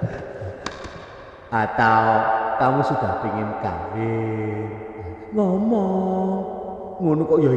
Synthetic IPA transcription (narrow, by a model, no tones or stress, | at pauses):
ʔat̪awk̪amusub̥a̤biŋɪnka̰wɪnŋɔmɔŋ | munukɔʔjɔ